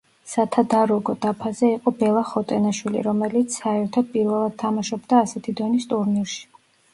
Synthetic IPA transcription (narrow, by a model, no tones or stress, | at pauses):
sat̪ʰad̪aɾɔɡɔd̪apʰazɛiqʼɔbɛlˠaχɔt̪ʼɛnaʃwilḭɾɔmɛlit̪sʰsaɛɾt̪ʰɔd̪̚pʼiɾvɛlˠad̪̥̚t̪ʰamaʃɔbd̪aːsɛt̪ʰid̪ɔnist̪ʼuɾniɾʃi̥